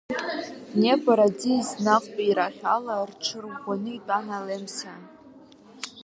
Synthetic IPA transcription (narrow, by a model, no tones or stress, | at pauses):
nebʼaɾad͡ziznaqʷʼpʼaiɾaχʲalarʈ͡ʂʰɨrɡʷanɨitʼanalemsa